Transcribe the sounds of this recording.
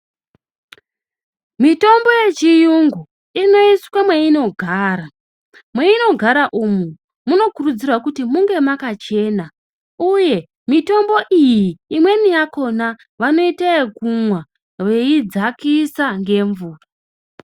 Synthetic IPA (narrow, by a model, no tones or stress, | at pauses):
mito̞mbo̞je̞t͡ʃijuŋɡu | ino̞iswamweino̞ɡʱaːɾa | mweino̞ɡʱaɾaʔumu | muno̞kurud͡zirwakutimuŋɡe̞makat͡ʃe̞ːna | uje̞ | mito̞mbo̞ʔijiːmwe̞nijako̞na | ʋano̞itaekumwa | ʋe̞id͡zakisaŋɡe̞ːɱvuːra